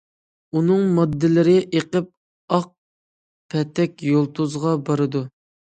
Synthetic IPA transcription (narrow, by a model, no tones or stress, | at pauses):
unɨŋmɑd̪ːɪlɪɾɪʔeqəp̚ | ɑq̚ | pʰɛt̪ʰːɛkʲjolˠt̪ʰuzʁɑbɑɾɨd̪u